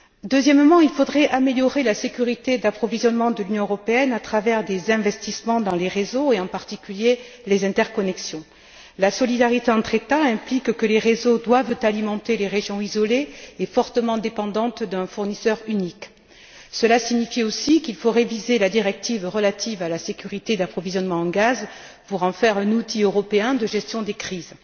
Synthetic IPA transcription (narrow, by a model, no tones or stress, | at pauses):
d̪øzjɛmmɑ̃ilfod̪ʁɛʔameljɔʁelasekʲyʁit̪ed̪apχɔvizjɔnmɑ̃d̪əlynjɔ̃øʁɔpeɛnat̪χavɛʁd̪ezɛ̃vɛst̪ismɑ̃d̪ɑ̃leʁezoeɑ̃paʁt̪ikʲylje | lezɛ̃t̪ɛʁkɔnɛksjɔ̃ | lasɔlid̪aʁit̪eɑ̃t̪χet̪aɛ̃plikkəleʁezod̪wavt̪alimɑ̃t̪eleʁeʒjɔ̃izɔleefɔʁt̪əmɑ̃d̪epɑ̃d̪ɑ̃t̪d̪ɛ̃fuʁnisœʁynik | səlasiɲifiosikilfoʁevizelad̪iʁɛk̚t̪ivʁəlat̪ʰivalasekʲyʁit̪ed̪apχɔvizjɔnmɑ̃ɑ̃ɡaz | puʁɑ̃fɛʁɛ̃nut̪iøʁɔpeɛ̃d̪əʒɛst̪jɔ̃d̪ekχiz